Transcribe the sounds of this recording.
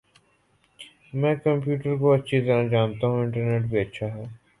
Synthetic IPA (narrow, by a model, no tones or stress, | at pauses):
mɛ̃ːkɐ̃mpjuːʈəɾkoɐtːʃʰit̪ɐɾãd͡ʒaːnt̪aɦũɪ̃ɳʈəɾneːʈbʱiɐtːʃʰaɦɛː